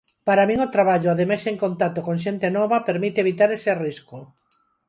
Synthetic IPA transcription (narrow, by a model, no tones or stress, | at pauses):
paɾamĩŋot̪ɾaβaʎʊaðemajseŋkont̪at̪okoŋʃent̪enɔβapeɾmit̪eβit̪aɾeseriskʊ